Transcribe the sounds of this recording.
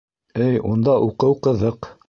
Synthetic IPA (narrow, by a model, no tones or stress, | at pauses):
ɘjund̪ɑʔuqɤwqɤ̆ðɤq